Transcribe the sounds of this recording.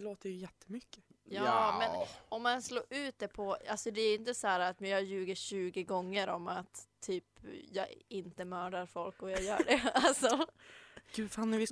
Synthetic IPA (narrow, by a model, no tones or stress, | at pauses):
loːt̪əɾjɵjɛt̪ʰːə̥mʏkːə̥jɑmɛnɔmːansloːʔʉ̟ːt̪̚d̪ɛpʰɔalsɔd̪ɛæɾɪnt̪əsɔhæːɾaːt̪mɛɑjʉ̟ːɡəɕʉ̟ːɡəɡɔŋːəɾɔmat̪ʰːyːpjɑːɡɪnt̪əmœːɖaɾfɔlkɔjɑːjœ̰ːɖɛalsɔ | ɡ̥ʉːfanːɛvɪ